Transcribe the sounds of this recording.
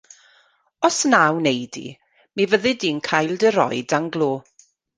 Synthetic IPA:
ɔsnawnejdḭ | mivəðɨdiːnkʰajlˠdəɾɔ̰jdaŋɡlˠoː

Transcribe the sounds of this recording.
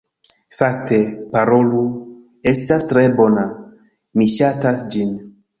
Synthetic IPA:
fakte̞paɾolu | e̞stastɾe̞bona | miʃatasd͡ʒin

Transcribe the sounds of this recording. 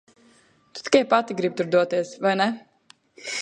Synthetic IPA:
t̪u̥t̪i̥kʲɛjpat̪iɡɾib̚t̪uɾd̪uɔt̪iɛsvajnɛ

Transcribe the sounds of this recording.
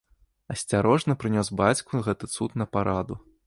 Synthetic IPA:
ɐsʲt͡sʲaɾɔʐnɐpɾɨnʲɔs̬bat͡sʲkuɣɛt̪ɨt̪sut̪nɐpaɾʔad̪u

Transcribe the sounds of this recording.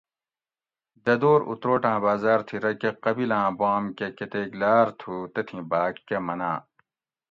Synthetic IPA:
d̪ɐd̪oːɾṵt̪ɾoːʈãːbaːzaːɾt̪ʰiɾɐkeqɐbilãːbãːmkekɐt̪eːklaːɾt̪ʰut̪ɐt̪ʰĩbaːkːɐmɐnã̰ː

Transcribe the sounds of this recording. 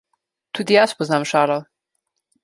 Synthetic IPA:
t̪uːd̪ijaspɔznaːmʃaːlɔ

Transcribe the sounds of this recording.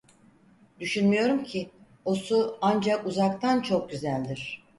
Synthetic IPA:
d̪̥yʃynmyjo̞ɾumcʰi | o̞suand͡ʒakuzakt̪ʰant͡ʃʰo̞k̚ɟyzælʲd̪iɾ̝̥

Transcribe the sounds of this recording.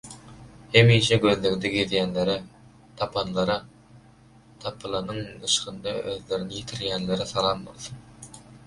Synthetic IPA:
hemiʃɛɡʲɵzlɪɡd̪ɪɡʲet̪jænleɾɪ | t̪ʰɑpʰɑnlˠɑɾɑ | t̪ʰɑpʰɯlˠɑnɯŋɯʃqənd̪ɑøðleɾɪnɪjet̪ʰɪɾɡʲænleɾɪsɑlˠɑnbo̰lˠsɯn

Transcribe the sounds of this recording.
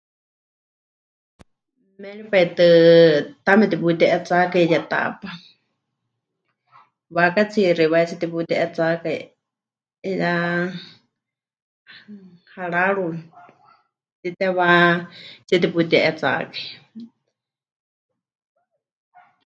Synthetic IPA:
mɛɺipait̪ɨt̪amɛt̪iput̪ɛʔɛt͡sakaijat̪a̰pa | wakat͡sʰiɾiwat͡sit̪iput̪ɛʔɛt͡sakai | ja | haɺaɺu | t͡s̪it̪ɛβa | t͡sɛt̪iput̪ɛʔɛt͡sa̰kai

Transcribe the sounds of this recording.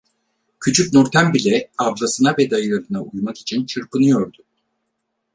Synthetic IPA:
cʰyt͡ʃʰycʲnuɾt̪ʰæmbilʲɛablˠasɯnabɛd̪ajɯɾalˠɯnaʔujmaki̥t͡ʃʰint͡ʃʰɯɾpɯnɯjo̞ɾd̪ʊ

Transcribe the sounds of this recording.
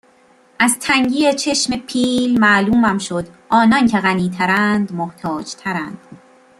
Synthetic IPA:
ʔæzt̪ʰæŋɟiːet͡ʃʰe̞ʃme̞pʰiːlmæluːmæmʃod̪ʔɒːnɒncʰeɣæniːt̪ʰæɾænd̪moht̪ʰɒːd͡ʒt̪ʰæɾænd̪̥

